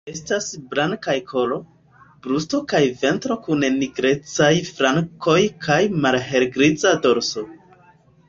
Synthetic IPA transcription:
e̞stasbɾaŋkajkʰo̞lo̞ | b̥ɾusto̞kajve̞ntɾo̞kunniɡɾe̞t͡sajfɾaŋko̞jkʰajmalɦe̞ɾɡɾit͡sado̞ɾso̞

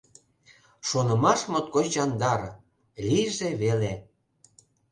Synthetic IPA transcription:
ʃonə̆mɑʃmot̪̚kot͡ɕɑnd̪ɑɾ | lʲiʒeβele

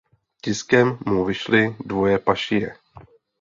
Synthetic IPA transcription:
cɪskɛmːuvɪʃlɪdvo̞jɛpaʃɪjɛ̰

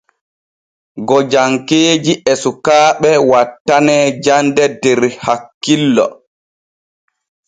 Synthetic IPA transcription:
ɡɔd͡ʒaŋkeːd͡ʒiʔɛsukaːɓɛwatːanɛːd͡ʒandɛdɛɾhakːilːɔ̰

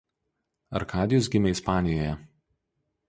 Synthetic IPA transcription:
ɐ̰ɾkʰɑːd̪ʲɪjʊs̬ɡʲɪmʲɛɪspɑːnʲɪjoːjɛ

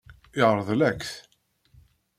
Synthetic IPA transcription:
ɪʁɾˤəðˤlækθ

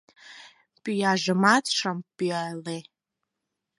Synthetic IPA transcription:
pʼijaʒɨmat͡sʰʂampʼiajle

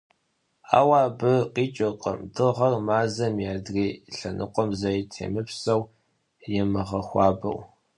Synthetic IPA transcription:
a̰ːwaːbɨqiːt͡ʃʼɐqʼɐ̰mdʰɨʁɐrmaːzɐmjaːdriːɬɐnʔɨ̰qʷʼɔmzɐitʰḛːmɨpsɐw | jɪmɐʁɐxʷɑːbɐ̰w

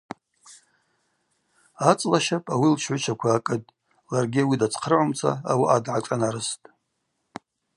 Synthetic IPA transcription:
at͡sʼlaʃapʼawilʃʰʕʷʊt͡ʃʰakʷʰaːkʼɨtʼ | larɡʲiawidat͡sʰʼqʰərʕʊmt͡sʷʰa̰awaʔadʕaʈ͡ʂʼanaɾɨstʼ

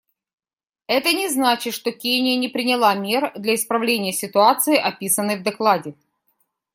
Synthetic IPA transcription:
ɛt̪ənʲɪznat͡ɕɪt̪ʂt̪okʲenʲɪjənʲɪpɾʲɪnʲɪlˠamʲe̞rd̪lʲɐɪspɾɐvlʲenʲɪjəsʲɪt̪ʊat̪sɨɪʔɐpʲisənːɨjvd̪ɐklˠadʲɪ

